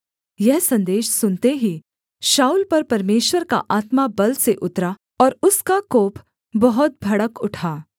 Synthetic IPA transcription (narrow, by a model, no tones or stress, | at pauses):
jɛɦsɐ̃nd̪eːʃsʊnt̪eɦi | ʃaːuːlpɐɾpɐɾmeːʃwəɾka̰ʔaːt̪mabɐlseʔʊt̪ɾa | ɔːɾʊskakoːpʰ | bɐɦʊt̪̚bʱɐɽəkʊʈʰaː